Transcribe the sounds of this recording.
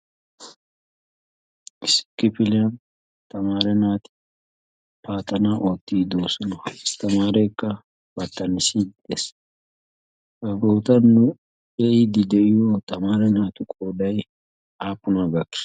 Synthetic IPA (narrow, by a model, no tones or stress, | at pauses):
ɪsɪ̥kːɪpɪlɪɐn | t̪ɐmaːɾɛnaːt̪ɪ̥ | paːt̪ːɐnaːʔoːt̪ːiːd̪oːsɔnɐɪst̪ɐmaːɾeːkːɐ | b̥ɐt̪ːɐnɪsid̪d̪es | kɐɡoːt̪ɐnːʊ | ɛʔɪd̪ɪd̪ɛʔɪjoːt̪ɐmaːɾɛnaːt̪ʊkʼoːd̪ɐj | aːpːʊnaːɡɐkːɪ̥